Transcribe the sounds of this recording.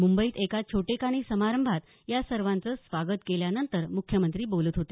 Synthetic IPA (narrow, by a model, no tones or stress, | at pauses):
mumbəiːt̪ekat͡ɕʰoʈekaɽ̃isəmaɾəmbʱat̪ | jasəɾʋãnt͡səːsʋaɡət̪keljanənt̪əɾmukʰjəmənt̪ɾiːboluːt̪ɦot̪e